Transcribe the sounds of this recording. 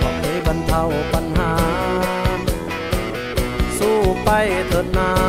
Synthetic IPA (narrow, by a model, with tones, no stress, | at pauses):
pʰa˨˩k̚ːe˨˦ba˧nt̪ʰa˧wpa˧nɦaː˨˦ | n | suː˧˩pa˧jt̪ʰɤː˧˦t̪̚naː˧˦˥